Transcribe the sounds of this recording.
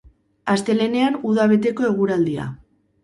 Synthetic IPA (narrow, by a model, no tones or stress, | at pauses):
ast̪e̞le̞ne̞anuðaβ̞e̞t̪̬e̞ko̞e̞ɣ̞uɾald̪ia̰